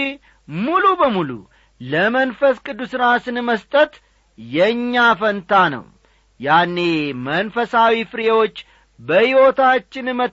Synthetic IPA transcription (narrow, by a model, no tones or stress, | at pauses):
mulubəmulṵ | ləmənfəskʼɨd̪ːusɨɾasɨnməst̪ʼət̪ | jɛɲːafənt̪ʰanə̰w | janːe̞mənfəsawifɨɾewo̞t͡ʃː | bəhiwo̞t̪at͡ʃːɪnmə